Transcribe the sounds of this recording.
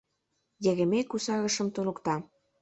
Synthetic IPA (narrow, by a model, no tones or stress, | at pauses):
jæ̆ɣĕmekusɑɣə̆ʃə̆mt̪olŏkt̪ɑ